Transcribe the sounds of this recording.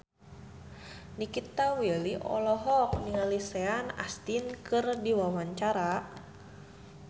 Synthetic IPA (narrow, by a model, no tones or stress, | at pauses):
nikit̪aweliʔɔ̰lɔɦɔk̚niŋaliseana̰st̪inkɨrdiwawaɲt͡ʃaɾa